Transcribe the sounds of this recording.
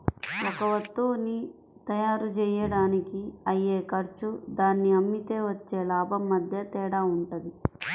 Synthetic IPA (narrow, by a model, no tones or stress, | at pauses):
ɔkɐʋɐt̪ːuːni | t̪ɐjaːɾut͡ʃɛːjɐɽaːnikiɐjːeːkɐɾt͡ʃud̪aːnːiɐmːit̪eːʋɐt͡ʃːeːlaːbʱɐmːɐd̪ʱjɐt̪ɛːɽaːuɳʈɐd̪i